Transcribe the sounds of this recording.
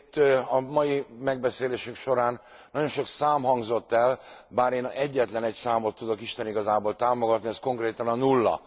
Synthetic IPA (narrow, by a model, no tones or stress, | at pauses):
t̪ːɒmɒjimɛɡ̚bɛseːleːʃyŋkʃo̞ɾaːnː | ɒɟo̞nʃo̞ksaːmɦɒŋɡzo̞t̪ːɛlbaːɾeːnɛɟːɛt̪lɛnɛcsaːmo̞t̪ːud̪o̞kiʃt̪ɛniɡɒzaːboːlt̪aːmo̞ɡɒt̪niɛsko̞ŋkreːt̪ɒnɒnulːɒ̰